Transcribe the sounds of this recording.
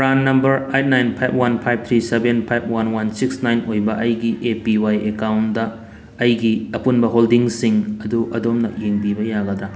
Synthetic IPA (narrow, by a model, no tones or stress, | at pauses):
pɾanːɐmbɐɾajt̚najnpʰajb̚ʰwanpʰajb̚t̪ʰɾisebenpʰajb̚ʰwanwansiksnajnojbɐʔɐjɡiʔepiwajekawndɐː | jɡiɐpunbɐɦoldiŋsiŋɐduʔɐdomnɐ̰jeŋbibɐjaɡɐdɐ